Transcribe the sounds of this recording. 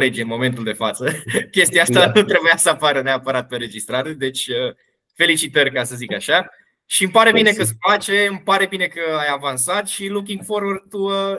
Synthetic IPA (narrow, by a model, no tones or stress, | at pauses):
led͡ʒieɨnmo̞me̞nt̪uld̪efat̪səkʲe̞st̪iaast̪anut̪ɾebujasəapaɾəneapəɾat̪̚əɾe̞d͡ʒist̪ɾat̪d̪e̞t͡ʃʲə | fe̞lit͡ʃit̪ərʲkasəzikaʃa | ʃiɨmpaɾe̞bine̞kəsfat͡ʃe̞ɨmpaɾe̞bine̞kəajavansat̪ʃiluk̬ʲiŋɡfo̞ɾwərt̪uə